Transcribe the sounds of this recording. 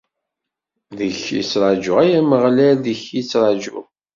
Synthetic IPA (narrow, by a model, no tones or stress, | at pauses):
ðəçjḭt͡sːɾˤɑd͡ʒʊʁæjæməʁlæðəçjit͡sːɾˤɑd͡ʒʊ̰ʁ